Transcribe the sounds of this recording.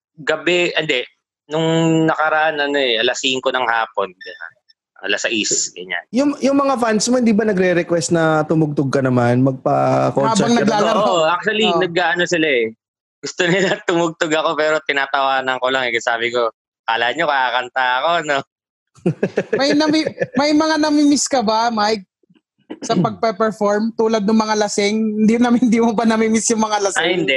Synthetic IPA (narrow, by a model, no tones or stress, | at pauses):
ɡɐbɛʔɐnd̪ɛ | nʊŋnɐkɐɾɐʔanɐno̞ɛʔɐlɐsiːŋkonɐŋhaːponɡɐa̰n | ɐlasɐʔisɡɐɲa̰njʊŋjʊŋmɐŋafansmohɪnd̪iːbɐnɐɡɾɛɾɛkwɛst̪̚nɐt̪ʊmʊɡ̚t̪oɡ̚kɐnɐmanmɐɡ̚pɐkoaːɛɐŋnɐɡlaːɐoʔak̚t̪ʊwɐlinɐɡ̚aːʔɐno̞sɪlaɛ | ɡʊst̪onɪlat̪ʊmʊɡ̚t̪oɡɐko̞pɛːɾot̪ɪnaːt̪ɐwaːnɐŋko̞laŋɛɡasaːbɪko | kaːlaʔanɲokɐaːkɐnt̪aɐko̞no | mɐjnɐmimɐjmɐŋanɐmimɪskɐbamajk̚ | sɐpɐɡ̚pɐpɛɹfoɹmt̪uːlɐd̪̚nʊŋmɐŋalɐsɪŋɪnd̪inɐmhɪnd̪iːmʊbɐnɐmimɪsjʊŋmɐŋalɐsajhɪnd̪ɛʔ